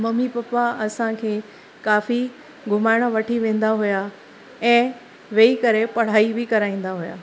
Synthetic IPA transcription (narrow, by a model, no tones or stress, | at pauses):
mɐmipɐpaɐsãkʰeː | kaːfi | ɡʱʊmaːɪɽ̃əʋɐʈʰiʋẽːn̆d̪aɦʊja | ɛ̃ː | ʋeːikɐɾepɐɽ̤aːibɪkɐɾaːĩːn̆d̪aɦʊja̰ː